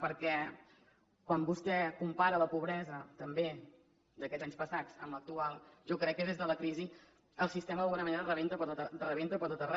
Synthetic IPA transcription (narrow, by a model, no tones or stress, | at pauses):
pəɾkɛ | kwambust̪ɛkumpaɾələpuβ̞ɾɛzət̪əmbe | d̪əkɛzaɲspəsat͡sə̰mlək̚t̪ualˠʒɔkɾɛkːəð̞ezðələkɾizi | əlˠsist̪ɛməðəβunəməneɾərəβent̪əpəɾt̪ot̪ərəβent̪əpəɾt̪ot̪ərɛ